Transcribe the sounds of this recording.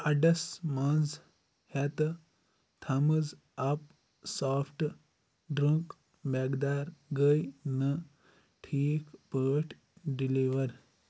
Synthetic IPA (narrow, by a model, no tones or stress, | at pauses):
ɐɖɐsmɐnz | hɛt̪ɨ | t̪ʰɐmɨz | ɐp̚ | saːfʰʈ | ɖɾuŋk | meɡd̪aːɾɡəjnɨ | ʈʰiːkpəːʈʰ | ɖiliʋɐɾ